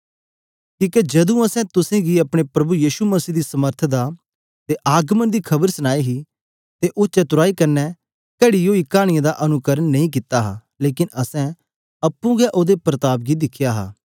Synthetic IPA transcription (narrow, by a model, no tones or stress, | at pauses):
kiːked͡ʒɐd̪ũɐsɛ̃t̪ʊsɛ̃ːɡiɐpɽ̃epɾɐbujiːʃuməsiːd̪iːsɐməɾt̪ʰd̪a | t̪eʔaːɡmənd̪iːkʰɐbəɾsəñaːiɦi | t̪eʔʊt͡ʃɐt̪ʊɾaːikɐɾnɛ | kɐɽioːikaːɽ̃ɪjãːd̪aʔɐnʊkəɾənːɐĩːk̬ɪt̪aɦa̰ː | leːkɪnɐsɛ̃ | ɐpːũɡɛʔoːd̪epɾət̪aːp̚ɡid̪ɪkʰːjaːɦa̰ː